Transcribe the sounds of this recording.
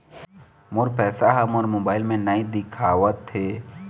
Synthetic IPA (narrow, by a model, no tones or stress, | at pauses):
moɾpɛːsaɦəmoɾmoːbaːɪlmẽnəĩd̪ɪkʰaːʋət̪ɦe